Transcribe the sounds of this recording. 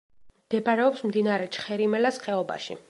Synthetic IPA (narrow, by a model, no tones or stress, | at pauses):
md̪̥ɛbaɾɛɔpsmd̪inaɾɛt͡ʃʰχɛɾimɛlasχɛɔba̰ʃḭ